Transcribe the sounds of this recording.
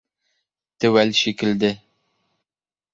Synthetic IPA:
t̪ɘwælʃikɘ̆ld̪ɘ

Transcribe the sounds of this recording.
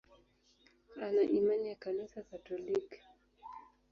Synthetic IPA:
anaʔimanijakanisakatɔlik

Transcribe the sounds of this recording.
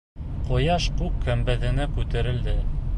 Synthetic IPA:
qŏjɑʃqukːæmbæðɘ̆nækʉt̪æɾɘ̆ld̪ɘ

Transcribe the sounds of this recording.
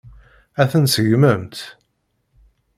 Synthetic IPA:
æθənsʝməmt̪

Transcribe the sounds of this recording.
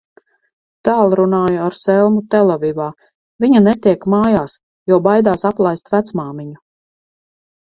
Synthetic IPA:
t̪aːlˠɾunaːjaaɾsɛlˠmut̪ɛlˠɔvivaː | viɲanɛt̪iɛkmaːjaːs | jɔɔbajd̪aːsaplˠajst̪væt̪smaːmiɲu

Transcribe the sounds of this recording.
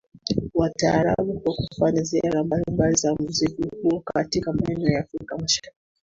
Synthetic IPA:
wataːɾa̰ɓukuakufaɲaziaɾambalimbalizam̩zikuhuɔkatikamaɛnɛɔjaːfɾikamaʃaɾiki

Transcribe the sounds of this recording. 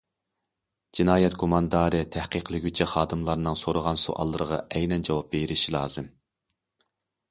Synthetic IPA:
d͡ʒinɑːjɛt̪kʰomɑnd̪ɑːɾɨt̪ʰɛhqəqlˠɪɡʲyt͡ʃʰɛχɑːd̪ɨmlˠɑɾnɨŋsoɾʊʁɑnsṵʔɑ̰lˠːəɾəʁɑ̰ʔɛjnɛnd͡ʒɑwɑp̚beɾɪʃilˠɑ̰ːz̥ɨm

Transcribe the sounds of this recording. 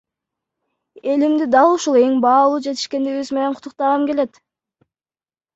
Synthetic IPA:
e̞limd̪id̪ɑlˠuʃulˠe̞ŋbɑːlˠuːd͡ʒe̞t̪i̥ʃke̞nd̪eɡiβyzme̞ne̞ɴqʰʊ̥t̪ʰːuq̚t̪ɑʁɑmke̞le̞t̪

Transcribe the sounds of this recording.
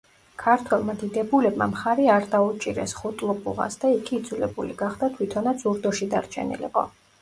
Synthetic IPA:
kʰaɾt̪ʰwɛlˠmad̪id̪ɛbulɛbma̰mχaɾiaɾd̪aut͡ʃʼiɾɛ̰sχut̪ʼlˠɔpʼṵʁa̰sd̪aikʰiːd̪zulɛbuliɡaχd̪at̪ʰwit̪ʰɔnat̪sʰuɾd̪ɔʃid̪a̰ɾt͡ʃʰɛ̰nḭlɛ̰qʼɔ̰

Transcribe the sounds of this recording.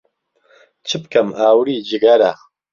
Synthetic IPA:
t͡ʃʰɨb̚kɐmaːwɾiːd͡ʒiɡaɾa

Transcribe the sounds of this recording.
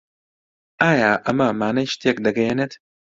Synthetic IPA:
aːjaːʔɐmɐmaːnɐjʃt̪ʰek̚d̪ɐɡɐjenet̪

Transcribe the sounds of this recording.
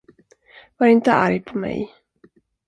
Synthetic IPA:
vaɾɪnt̪əa̰ɾjpʰɔmɛ̰j

